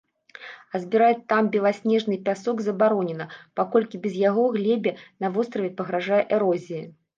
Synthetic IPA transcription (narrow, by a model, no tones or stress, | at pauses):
ɐzʲbʲiɾajɛt̪ːambʲɛlˠasʲnʲɛʐnɨpʲasɔɡzɐbaɾɔnʲɛnɐpakɔlʲkʲibʲɛzjaɣɔɣlʲɛbʲɛnɐvɔst̪ɾɐvʲɛpɐɣɾaʐajɛʔɛɾɔzʲijɐ